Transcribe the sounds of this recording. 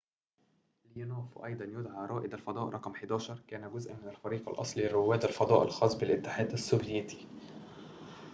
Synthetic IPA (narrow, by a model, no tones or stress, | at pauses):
ljænoːfʔɑ̰jd̪ˤɑnjʊd̪ʕaɾˤɑːʔɪd̪ælfɑd̪ˤɑːʔɾˤɑqmħed̪æːʃɑɾˤkæːnæɡʊzʔænmɪnælfɑɾiːqɑ̰lʔɑ̰sˤlirːʊwːæːd̪ælfɑd̪ˤɑ̰ːʔɪ̰lxɑːsˤbɪlʔɪt̪ːɪħaːd̪æsːobjet̪i̥